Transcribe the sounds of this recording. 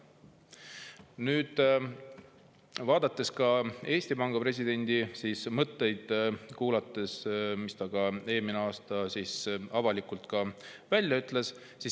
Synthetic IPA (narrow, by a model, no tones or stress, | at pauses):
nyːd̪̥ | vɑːd̪ɑt̪ːˑe̞skɑe̞ːsʲt̪ipɑŋɡ̥ɑpre̞s̬ʲid̪̥e̞nʲd̪̥isiːsmɤt̪ːe̞jd̪̥kuːlɑt̪ːe̞smist̪ɑɡ̥ɑe̞ːmineɑːst̪ɑsisɑvɑlikult̪ˑkɑvælʲjɑyt̪ːˑle̞s | si